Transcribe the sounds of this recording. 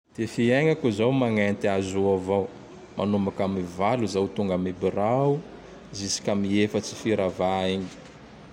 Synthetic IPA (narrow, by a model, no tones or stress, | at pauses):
d̪̥efieŋakuzawmaŋant̪iazuavaw | mʔa̰numbakamivaluzawt̪uŋɡamibirau | zisi̥kʲamiefət͡si̥fiɾavaiɲi̥